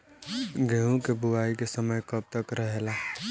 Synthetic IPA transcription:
ɡeɦũkebuaikesəməjkəb̚t̪əkɾəɦela

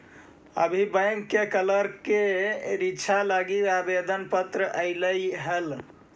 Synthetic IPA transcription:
ə̰bʱibəjŋkːekələɾkeɾit͡ʃʰalaɡiabed̪ənpət̪ɾəʔəɪləjɦəl

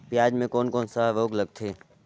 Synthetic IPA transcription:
pjaːd͡ʒmẽkoːnkoːnsəɦʋoːɡləɡ̚t̪ʰeː

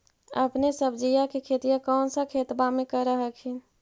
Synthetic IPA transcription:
ə̰pnesəbʱd͡ʒijakekʰeːt̪ijakɔːnsəkʰeːt̪bamẽkəɾəɦəkʰin

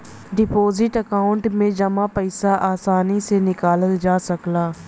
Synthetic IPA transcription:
ɖɪpoːzɪʈəkaːʊ̃ɳʈmẽd͡ʒɐmapəɪsaʔaːsaːnisenɪkaːləld͡ʒaːsɐklaː

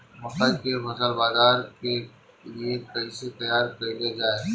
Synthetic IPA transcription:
mʊt̪əd̪kemɐsəlbaːzaːɾke | liekɐiset̪ɐjaːɾkəiled͡ʒaːe

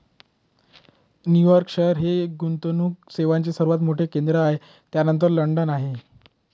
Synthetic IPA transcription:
njujɔɾkɕeɾɦekɡunt̪onuːkseʋaɲt͡ɕesəɾuʋat̪moʈʰekend̪ɾəae | t̪janənt̪̬əɾləɳɖənaɦe

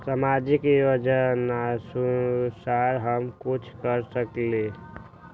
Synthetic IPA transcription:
samad͡ʒikjod͡ʒənasusaɾɦəmkut͡ʃʰkəɾsəkle

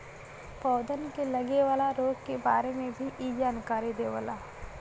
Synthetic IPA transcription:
pɔːd̪ənkelɐɡeʋaːlaɾoːɡ̚keba̰ːɾemẽbʱiʔiːd͡ʒaːnkaːɾid̪eːʋa̰laː

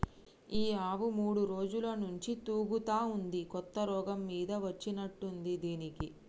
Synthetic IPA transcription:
iːaːʋumuːɽuɾoːd͡ʒulɐnuɲt͡ʃit̪uːɡut̪aːund̪ikɔt̪ːɐɾɔːɡɐmːiːd̪ɐʋɐt͡ʃːinɐʈːund̪id̪iːniki

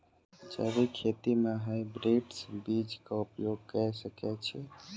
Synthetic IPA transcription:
t͡ʃə̰bikʰet̪imeɦəjbɾiʈsbid͡ʒkaupjoɡ̚kəɾsəkɛt͡ʃʰɛ

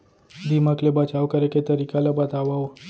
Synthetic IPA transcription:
d̪imaklebət͡ʃawkəɾeket̪əɾikalabat̪aʋaw

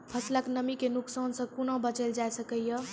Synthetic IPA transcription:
pʰəsləknəmikenuksaːnsə̃kunãbət͡ʃəld͡ʒajsəkəjjə

